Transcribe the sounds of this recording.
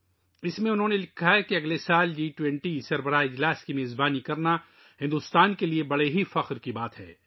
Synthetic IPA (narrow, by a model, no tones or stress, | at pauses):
ɪsmẽʊnɦõnelɪkʰːaɦɛkiɐɡlesaːld͡ʒiːʈwɛ̃ɳʈisɐɾbəɾaːiɪd͡ʒlaːskimeːzbaːnikɐɾna | hɪ̃nd̪ʊst̪aːnkeliebɐɽeɦifɐqɾkibaːt̪ɦɛ̰ː